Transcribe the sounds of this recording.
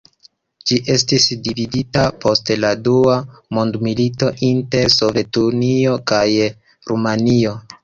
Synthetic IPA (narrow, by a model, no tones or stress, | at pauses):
d͡ʒiʔe̞stisdividitapʰo̞stladuamondmilito̞ʔinte̞ɾso̞vetunio̞kaj | ɾumanio̞